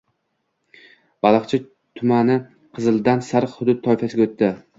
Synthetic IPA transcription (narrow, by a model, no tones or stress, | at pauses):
b̥ɑlˠɑqt͡ʃʰɪ | t̪ʰʊmanɪ | qʰɨzɨld̪ansaɾqhʊd̪ʊd̪̚t̪ʰːɒjfasɪɡʲaot̪ʰːɪ